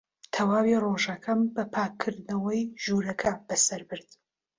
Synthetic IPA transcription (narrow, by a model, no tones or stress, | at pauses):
t̪ʰɐwaːwiroʒɐkʰɐmbɐpʰaːkʰːɨɾd̪nɐwɐjʒuɾɐkʰɐb̥ɐsɐɾbɨɾd̪̥